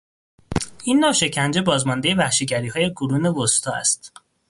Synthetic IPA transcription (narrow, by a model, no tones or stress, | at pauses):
iːnːɒːʃe̞cʰænd͡ʒe̞bɒːzmɒnd̪eje̞væxʃiɟæɾiːhɒːje̞ɡuɾuːnevost̪ʰɒːæ̰st̪